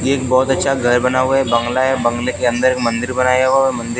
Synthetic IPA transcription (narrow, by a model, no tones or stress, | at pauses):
eːkbɔːt̪ɐtːʃʰaɡʱɐɾbɐnaɦuaɦɛbɐ̃ŋɡlaɛbɐ̃ŋɡlekeɐ̃nd̪əɾeːkmə̃nd̪ɪɾbɐnaːjaɦuaɾmɐ̃nd̪ɪɾ